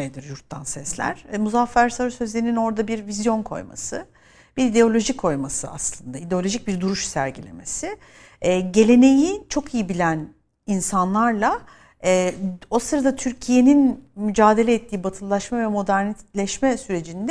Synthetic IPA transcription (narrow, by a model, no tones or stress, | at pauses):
jd̪ɯɾjuɾt̪ʰːansɛslʲæ̰ɾ̥muzafːæɾsaɾsøzlʲe̞ɾinino̞ɾd̪abiɾvizjo̞nkʰo̞̰jma̰sɯ | b̥iɾid̪e̞o̞lʲo̞ʒikʰo̞jmasɯa̰slˠɯnd̪aid̪e̞olʲo̞ʒic̚biɾd̪uɾuʃsæ̰ɾɟilʲeme̞̰sɪː | ɟe̞lʲe̞ne̞jit͡ʃʰo̞kʰijibilʲæn | insanlˠaɾlˠa | ɛo̞sɯɾad̪at̪ʰyɾcʰije̞ninmyd͡ʒaːd̪e̞lʲɛɛt̪ʰːiːbat̪ʰɯlˠːaʃmavɛmo̞d̪æɾnilʲɛʃmɛsyɾe̞d͡ʒind̪ɛ